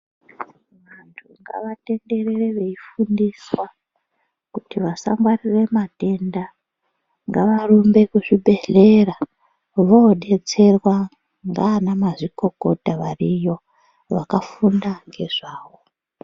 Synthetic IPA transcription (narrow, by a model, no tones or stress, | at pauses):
ʋantʰuŋɡa̰ʋate̞nde̞rereʋe̞ifundiswa | kutiʋasaŋɡwarire̞mate̞nda | ŋɡaʋarumbe̞kuʐibʱe̞ɮe̞ra | ʋoɗe̞t͡se̞rwa | ŋɡaːnamaʐiko̞ko̞taʋarijo̞ | ʋakafundaŋɡe̞ʐ̥aːwo